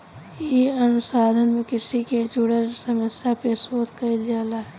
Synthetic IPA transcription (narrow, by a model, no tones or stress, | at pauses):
iənʊsaːd̪ʱənmẽkɪsiked͡ʒʊɽəɾsəməsjapesoːt̪kəid͡ʒaːla